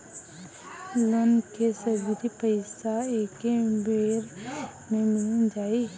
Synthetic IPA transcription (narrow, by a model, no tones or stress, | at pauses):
lonkesəbiɾipəɪsaeːkebeːɾ | mẽmɪlənd͡ʒaːi